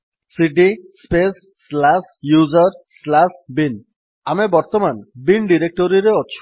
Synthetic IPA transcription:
siʈispesːlasjuzɔɾslasbin | amebɔɾt̪ɔmanbinɖiɾek̚ʈɔɾiɾeɔt͡ʃʰu̥

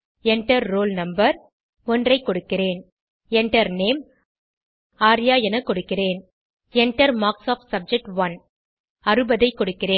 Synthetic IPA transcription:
ɛɳʈɐɾːoːlnɐmbɐɾ | ɔndrɐɪkːɔɽɯkːɪreːn | ɛɳʈɐɾneːm | aːɾjaːjɛnɐkːɔɽɯkːɪreːn | ɛɳʈɐɾmaːksaːfsɐb̚d͡ʒɛk̚ʈʋɐn | ɐɾɯbɐðɐɪkːɔɽɯkːɪreː

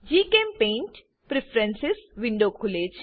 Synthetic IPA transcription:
d͡ʒiːkeːmpẽːɳʈ | pɾɪpʰɾɛ̃nsɪsʋɪ̃ɳɖoːkʰʊleːd͡ʒ

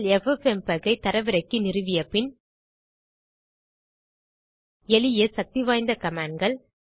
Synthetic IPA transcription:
lɛfɛfɛmpɐɣɐɪt̪ɐɾɐʋɪɾɐɪkːɯnɪrɯʋɪjɐpːɪn | ɛlɪjesɐk̚t̪iʋaːjnd̪ɐkɐmaːɳɡɐɭ

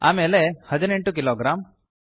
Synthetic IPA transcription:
a̰melehɐd͡ʒ̪ɐneɳʈukiloːɡɾam

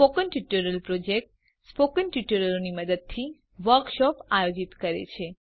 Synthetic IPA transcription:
pokənʈuʈəɾəlpɾod͡ʒek̚ʈ | spokənʈuʈəɾəloniməd̪əd̪̚t̪ʰi | ʋəɾkʃɔpajod͡ʒit̪kəɾḛt͡ʃʰe

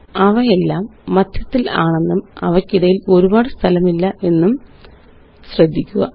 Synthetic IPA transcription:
ɐʋɐe̞lːaːmːɐd̪ʱjɐt̪ːilaːɳe̞nːumɐ̰ʋɐkːiɽɐjilo̞ɾubaːɽɨst̪ʰɐlɐmilːɐʔe̞nːum | ɕrɐd̪ʱːikʲːuɣɐ

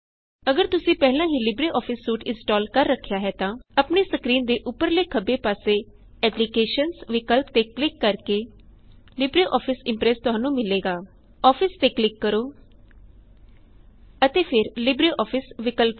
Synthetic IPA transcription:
əɡəɾt̪ʊsĩːpɛːlãːɦiːlɪbɾeːʔɔːpʰɪsːuːʈɪ̃nsʈɔːlkəɾːəkʰːjaːɦɛːt̪ãːəpneːsəkɾiːnd̪eːʔʊpːəɾleːkʰəbeːpaːseː | ɛːplikeːʃənsʋɪkəlp̚t̪eːklɪkːəɾkeː | lɪbɾeːʔɔːpʰɪsɪ̃mpɾɛːst̪ʊɦãːnũːmɪleːɡaː | ɔːpʰɪst̪eːklɪkːəɾoː | ət̪eːpʰɪɾlɪbɾeːʔɔːpʰɪsʋɪkəlp

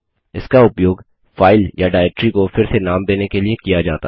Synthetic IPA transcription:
ɪskaʊpjoːɡ | faːɪljaɖaːɪk̚ʈɾikofɪɾsenaːmd̪eːnekeliekijad͡ʒaːt̪a̰

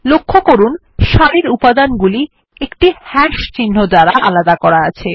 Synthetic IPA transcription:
lokʰːokoɾun | ʃaɽiɾupad̪anɡuli | ekʈihɛʃt͡ɕinːod̪aɾaʔalad̪akɔɾaat͡ɕʰe

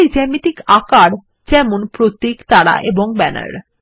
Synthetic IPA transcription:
d͡ʑɛmit̪ikakaɽ | d͡ʑɛmonpɾot̪ːikt̪aɽa̰ʔeboŋbɛna̰ɾ

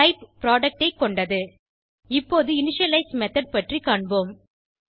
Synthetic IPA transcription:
ɐɪppɪɾaːɖɐk̚ʈɐɪkːɔɳɖɐðɯ | ɪpːoːðɯɪnɪʂɐlɐɪsmɛt̪ɐɽ̚pɐʈrikaːɳboːm

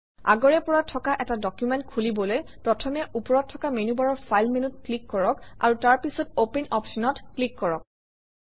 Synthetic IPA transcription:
a̰ɡɔɹɛpɔɹatʰɔkaʔɛtadɔkjumɛntkʰulibɔlojpɹɔtʰɔmɛʔupɔɹɔtʰːɔkamenubaɹɔɹpʰajlmenutklikːɔɹɔka̰ɹutaɹpisɔtopɛnɔpʃɔnɔtklikːɔɹɔk̚

